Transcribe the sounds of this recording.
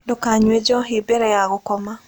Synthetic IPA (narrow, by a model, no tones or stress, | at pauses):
dɔkaɲwed͡ʒɔɦibeɾɛaɣɔkɔma